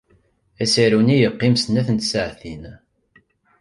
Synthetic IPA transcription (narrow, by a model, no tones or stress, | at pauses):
æsəɾunijəqːɪmsnæθənt̪səʕθin